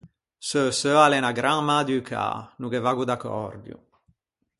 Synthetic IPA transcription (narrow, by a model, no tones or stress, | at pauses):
søsøalɛnaɡɾaŋmad̪ykʰa̰nukevaɡud̪akɔ̰rd̪jṵ